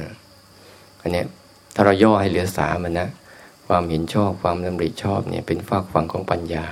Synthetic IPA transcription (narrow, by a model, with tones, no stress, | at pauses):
a˧˩ | ʔa˧nːi˥ɐ | t̪ʰaː˥˩ɾa˧wjɔː˥˩ha˥˩jlɯ˩˦ɐsa̰ː˩˦ma˧nːa˦˥kʰwaː˧mhe˩˦nt͡ɕʰɔː˥˩p̚kʰwaː˧msa˧mɾi˨˩t̪̚t͡ɕʰɔː˥˩p̚nʔḭ˥˩ɐpe˧nfaː˥˩kʰwa˧ŋkʰɔː˩˦ŋpa˧njaː˧